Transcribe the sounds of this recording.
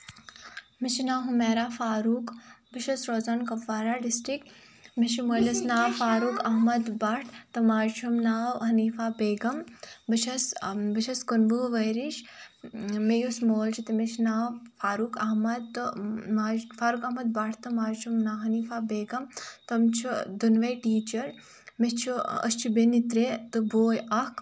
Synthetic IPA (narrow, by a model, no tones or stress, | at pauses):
mit͡ʃnaːɦumeːɾaːfaːɾuːkbiʃɐsɾoːzaːnkɐpːaːɾaːɖɪsʈɾik | miʃimoːlɐsnaːwfaːɾuːkɐɦmɐd̪baʈʰt̪ɐmaːt͡ʃʰumnaːwɦɐniːfaːbeːɡɐmbiʃɐsbiʃʰɐskunbuʋɐjɾiʃ | mejusmoːlt͡ʃʰit̪ɐmeʃnaːwfaːɾuːkɐɦmɐd̪t̪maːfaːɾuːkɐɦmɐd̪̚baʈʰt̪ɐmaːɾt͡ʃʰumnaːwɦɐniːfaːbeːɡɐmt̪ɐmt͡ʃʰud̪unʋɐʈiːt͡ʃɐɾ | mist͡ʃʰuɐ̰st͡ʃʰibenit̪ɾeːt̪ɨboːjɐk